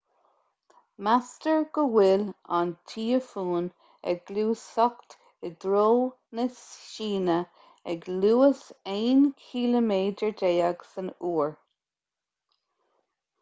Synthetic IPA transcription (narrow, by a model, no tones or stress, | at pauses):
mastəɹɡ̥əwɪlantʰiːəfuːn | ɛ̰ɡluːsɔkt̪ | əd̪ɹoː | nəsʃiːnə | ɛɡluːəseːnkʰiːləmeːdəɹdeːaɡsənuːɹ